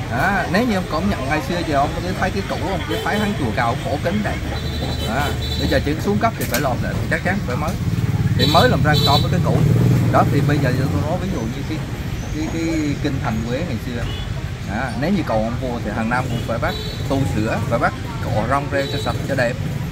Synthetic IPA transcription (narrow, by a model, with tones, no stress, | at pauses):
ʔaː˨˦ne˨˦wɲɨ˧ʔə˧wŋ͡mkɔ̰˧˩˦ŋ͡mɲə̰˧˨nŋa˨˩jsɨ˧ət͡ɕəː˨˩ʔə˧wŋ͡mkt̪i˨˧˦t̪ʰə˨˦jkaː˨˦jkṵ˧˨˩wʔa˧wŋ͡mkaː˨˦faː˨˦jt̪ʰaː˨˦ŋt͡ɕu˨˩əkaː˨˩wxo˧˩˦ki˨˦ŋɗa̰ː˧˨˩ | ʔaː˨˩ | ɓə˧jzəː˨˩t͡ɕɨ̰˧˦˥su˨˦əŋkə˦˥p̚t̪ʰi˨˩faː˧˩lɔ̰˧˨˩lə̰ː˧˨˩ɓḭ˧˨˩t͡ɕa˦˥k̚t͡ɕaː˨˦ŋvəː˧˩jməː˨˦jt̪ʰi˨˩məː˨˦jlaː˨˩mzaː˧ŋkɔ˨˦vəː˨˦jkaː˨˦jkṵ˧˩˨ɗɔ˨˦t̪ʰi˨˩ɓə˧jzəː˨˩ɨ˧t̪ɔ˧nɔ˨˦vi˨˦zṵ˧˨ɲɨ˧ka˨˦ | kaː˨˦jkaː˨˦jkï˧ŋ̟t̪ʰa˨˩jŋ̟kwŋa˨˩jsɨ˧ə | ʔaː˨˩ne˨˦wɲɨ˧kə̰˧˨wʔə˧wŋ͡mvu˧ət̪ʰi˨˩ɦaː˨˩ŋna˧mkʊ̰˧˥ŋ͡mfa̰ː˧˩jɓaː˦˥k̚ | t̪u˧sɨ̰˧˩əfaː˧˩jɓaː˦˥k̚ | ko̰˧˩zɔ˧wŋ͡mzɛ˧t͡ɕɔ˧sə˨˩p̚t͡ɕɔ˧ɗɛ˨˩p̚